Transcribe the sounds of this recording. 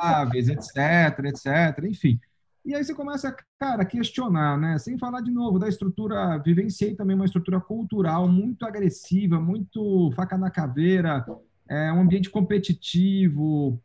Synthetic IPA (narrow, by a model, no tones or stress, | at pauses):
vezet̪sɛt̪eɾɐet̪sɛt̪eɾɐẽfĩ | iaisekõmɛsɐkaɾɐakest͡ʃionaɾnɛsẽj̃falaɾd͡ʒinovʊd̪ɐɪst̪ɾut̪uɾɐvivẽsiejt̪ɐ̃bẽj̃umɐɪs̬t̪ɾut̪uɾɐkuwt̪uɾawmũj̃t̪ʊaɡɾesivɐmũj̃t̪ʊfakanɐkaveɾɐ | ɛũɐ̃biẽnt͡ʃɪ̥kõpet͡ʃit͡ʃivʊ